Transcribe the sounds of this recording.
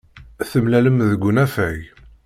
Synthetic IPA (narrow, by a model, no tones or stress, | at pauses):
θəmlæləmðəɡʷːʊnæfæj